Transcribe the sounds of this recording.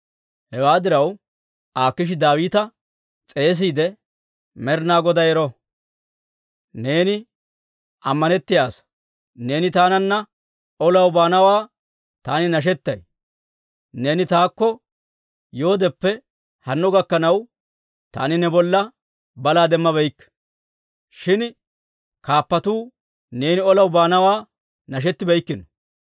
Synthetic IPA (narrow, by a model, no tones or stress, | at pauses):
hɛwaːd̪ɪɾɐw | ʔaːkːɪʃ̬ɪd̪aːwiːt̪ɐ | t͡sʼe̞ːs̬iːd̪ɛ | mɛɾnaːɡɔd̪ɐjɛɾɔ | ne̞ːnɪ | ʔɐmːɐnɛt̪ːɪjaːs | ne̞ːnɪt̪aːnɐnːɐ | ʔɔlɐwbaːnɐwaː | t̪aːnɪnɐʃ̬ɛt̪ːɐj | ne̞ːnɪt̪aːkːɔ | jo̞ːd̪ɛpːɛ | hɐnːʊɡɐkːɐnɐw | t̪a̰ːnɪnɛbɔlːɐ | bɐlaːd̪ɛmːɐbɛjkː | ʃɪn | kaːpːɐt̪uː | ne̞ːnɪɔlɐwbaːnɐwaː | nɐʃ̬ɛt̪ːɪbɛjkːɪnɔ̥